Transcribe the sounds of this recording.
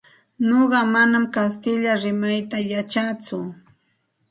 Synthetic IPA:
noɢɑmanamkast̪ɪʎaɾɪmajt̪ajat͡ʃat͡sʊ

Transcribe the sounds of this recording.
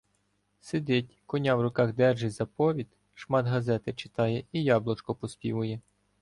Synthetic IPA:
sed̪ɪtʲkɔnʲɑwrʊkɑxd̪ɛrʒɪzɐpɔʋʲit̪ | ʃmɑd̪ɦɐzɛt̪ɪt͡ʃɪ̥t̪ɑjɛijɑblˠɔt͡ʃkɔpɔsʲpʲḭʋʊjɛ

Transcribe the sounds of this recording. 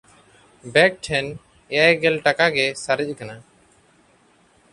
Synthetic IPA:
bɛk̚ʈʰɛn | ɛjajɡɛlʈakaɡɛsaɾic̚ˀkana

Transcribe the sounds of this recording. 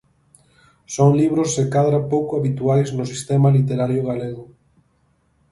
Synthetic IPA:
soŋliβɾosːekaðɾapowkʊaβit̪uajznʊsist̪ɛmalit̪eɾaɾjoɣaleɣʊ

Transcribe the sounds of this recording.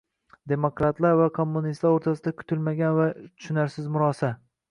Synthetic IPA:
d̪e̞mokɾat̪laɾvakʰo̞mːunist̪laɾoɾt̪ʰasɪd̪akʰʊ̥t̪ʰɪlmaɡʲanvat̪ʰʊ̥ʃɪnaɾsɪzmʊɾɒsa

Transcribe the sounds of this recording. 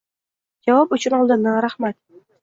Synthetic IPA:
d͡ʒavɒpʊt͡ʃʰʊnɒlˠd̪ɨnːɪɾahmat̪

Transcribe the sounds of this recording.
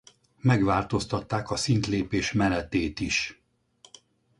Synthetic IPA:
mɛɡʋaːlt̪o̞st̪ɒt̪ːaːkɒsint̪leːpeːʃmɛnɛt̪eːt̪iʃ

